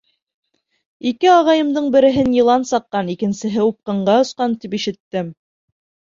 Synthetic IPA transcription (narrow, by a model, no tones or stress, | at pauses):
ikɘɑʁɑjɤ̆md̪ɤɴbɘ̆ɾɘ̆ɦɘnjɤ̆lˠɑnsɑqːɑnikɘ̆nsɘ̆ɦɘup̚qɤ̆ɴɢɑŏsqɑnt̪ipiʃɘ̆t̪ːɘm